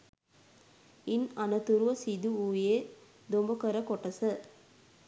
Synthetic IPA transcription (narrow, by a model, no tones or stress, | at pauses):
inɐnɐt̪uɾuʋɐsid̪uuːjeː | d̪ombɐkɐɾɐkoʈːɐsɐ